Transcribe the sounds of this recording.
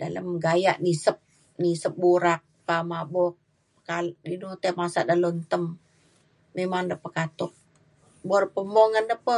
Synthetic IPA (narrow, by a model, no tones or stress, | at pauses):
dalə̰mɡajaʔnisəp̚ | nisəp̚buɾak̚pamabɔk | kaldinɔt̪emasa̰ʔdalont̪əmː | emaŋdəpəkat̪ʊk̚ | boɾpəmɔŋəndəpə